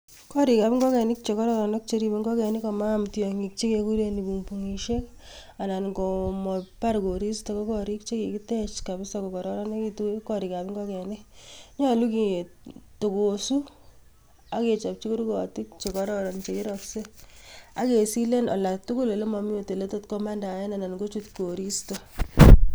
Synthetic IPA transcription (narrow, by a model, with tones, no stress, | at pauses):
kɔ˦ɾi˨ka˨pɪ˦ŋɡɔ˦kɛ˨ni˦k̚t͡ʃe˨kɔ˦ɾɔ˦ɾɔ˨nɔ˦k̚t͡ʃe˧ɾi˨be˨ŋɡɔ˦kɛ˨ni˦kɔ˨ma˦mtiɔ˨ŋi˨k̚t͡ʃe˦ke˧ku˦ɾe˦ni˨bu˨ŋpuŋi˨ʃe˦k | a˨na˨nɡɔ˨mɔ˨pa˦ɾɡo˨ɾi˦sto˨kɔ˦kɔ˨ɾi˦k̚t͡ʃe˦ki˨ki˦tɛ˦t͡ʃka˨bɪ˦sɔkɔ˨kɔ˨ɾɔ˦ɾɔ˦ne˦ki˨tu˦kkɔ˨ɾi˨ka˨pi˦ŋɡɔ˦kɛ˨ni˦ɲɔ˦lu˦ki˨to˨ko˨su˦ | a˦ke˨t͡ʃa˨p̚t͡ʃi˦ku˦ɾkɔti˦k̚t͡ʃe˨kɔ˨ɾɔɾɔ˨nt͡ʃe˨ki˦ɾɔkse˦a̰˦ke˨si˦le˦nɔ̰˨la˨tu˦kʊ˦le˨le˦mɔ˨mi˦o˨te˨le˦to˦tkɔ˦ma˦nda˨jɛ˦na˨na˨nɡo˦t͡ʃu˦tko˨ɾi˦stɔ˨